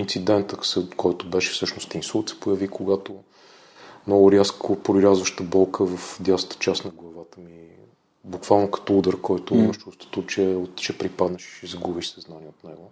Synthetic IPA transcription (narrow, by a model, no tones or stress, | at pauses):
int̪sid̪ɛnt̪əksɛkɔjt̪ʊbɛʃɛ̥sɤʃnost̪insulˠt̪sɛ̥pojəvikoɡat̪o | mnɔɡʊɾʲaskopɾoɾʲazvəʃt̪əbɔlˠkʰəvəfd̪ʲjast̪ə̥t͡ʃasnɐɡlˠɐvat̪əmi | bukvalˠnokɐ̥t̪ɔud̪əɾkɔjt̪ʊiməʃt͡ʃust̪o̥t̪ut͡ʃɛot̪t͡ʃɛpɾipad̪nɛʃɛzɐɡubiʃsɐznaniɛot̪nɛɡʊ